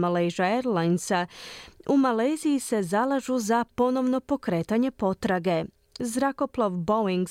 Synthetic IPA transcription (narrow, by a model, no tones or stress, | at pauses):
malejʒaeɾlajnsaumalejzijise̞zalˠaʒuzapo̞no̞ʋno̞po̞kɾe̞ːt̪aɲe̞po̞t̪ɾaɡe̞ | zɾako̞plˠaʋboiŋɡ